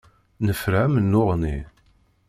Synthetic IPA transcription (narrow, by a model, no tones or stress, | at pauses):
nəfɾæmnːʊʁni